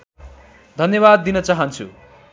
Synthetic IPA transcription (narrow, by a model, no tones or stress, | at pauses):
d̪ʱʌnjʌbad̪ːinʌt͡saɦʌnt͡sʰṵ